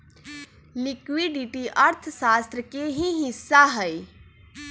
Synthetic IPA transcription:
lɪkʋiɖiʈiʔəɾt̪ʰsaːst̪ɾəkeɦĩɦɪsːaɦəi

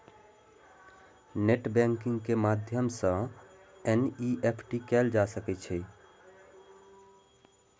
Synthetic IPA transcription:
neʈbɛ̃ŋkĩŋɡkemad̪ʱjəmsə̃ | eniʔepʰʈikɛld͡ʒasəkɛt͡ʃʰɛ

